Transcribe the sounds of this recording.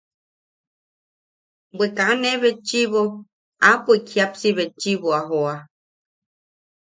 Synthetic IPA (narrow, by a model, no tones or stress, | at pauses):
bʷekaaneβet͡ʃiβo | apoikʰiapsiβet͡ʃiβoaɦoa